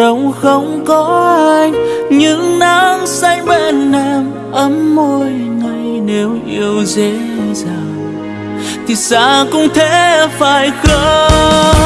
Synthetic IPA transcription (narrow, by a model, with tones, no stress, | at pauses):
ə˨˧˦wŋ͡mxə˧wŋ͡mkɔ˨˦ʔa˧jŋɲɨ˧˥ŋnaː˧˦ŋsa˧ŋɓɛ˧˩nːɛ˧m | ʔə˨˦mːo˧˩jŋa˨˩jne˨˦wʔi˧əwze˧˦ | zaː˨˩w | t̪ʰi˨˩sa̰ː˧˥kʊ̰˧˥ŋ͡mt̪ʰe˧˥faː˧˩jkəː˧˦